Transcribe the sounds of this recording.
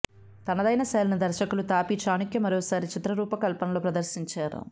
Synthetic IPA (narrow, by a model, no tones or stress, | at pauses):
t̪ɐnɐd̪ɐjnɐsɛːlɐnɐd̪ɐɾʃɐkulut̪aːpit͡ʃaːnukjɐmɐɾɔːsaːɾit͡ʃit̪ɾɐɾuːpɐkɐlpɐnɐloːpɾɐd̪ɐɾsiɲt͡ʃaːɾṵ